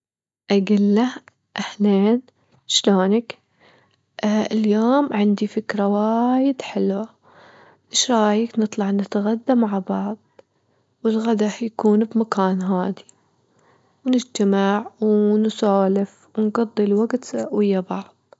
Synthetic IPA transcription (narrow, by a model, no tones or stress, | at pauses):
ʔaɡɪlːa | ʔaħleːn | ʃloːnak | ʔɪljoːmʕɪnd̪ifɪkɾawajɪd̪ħɪlwa | ʔɪʃɾˤɑːjɪknɨt̪ˤlɑʕnɪt̪ɣad̪ːamaʕbɑʕðˤ | wɪlɣad̪ahjakuːnbmakaːnɦaːd̪i | wnɪd͡ʒt̪amɪʕwnsaːlɪf | wnɡɑd̪ˤːilwaɡt̪wɪjːabɑʕðˤ